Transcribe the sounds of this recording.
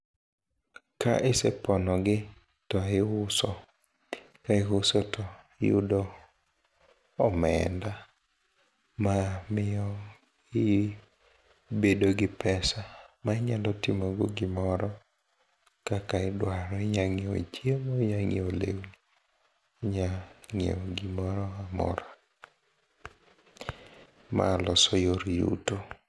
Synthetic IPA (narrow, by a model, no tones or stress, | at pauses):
ka̰ʔɪsɛpɔnɔɡɪ | tɔɪʊsɔ | kaɪɦʊsɔtɔ | jṵdɔ | mɛ̰nda | mamɪɔ | ɪ | bedoɡɪpɛsamaɪɲalɔtɪmoɡoɡɪmɔɾɔ | kakaɪdwaɾɔɪɲaŋɪo̰ḭt͡ʃjemaɲaŋiolḛwni | ɲaŋḛoɡɪmɔɾɔamɔ̰ɾa | ma̰lɔsɔjoɾjṵto